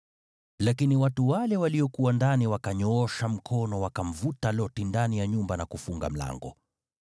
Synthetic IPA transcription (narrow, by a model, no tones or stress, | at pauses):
lakiniwatuwalɛwaliɔkuwandaniwakaɲɔɔʃam̩kʰɔnɔwakam̩vutalɔtindanijaɲumbanakufuŋɡa̰m̩la̰ŋɡɔ̰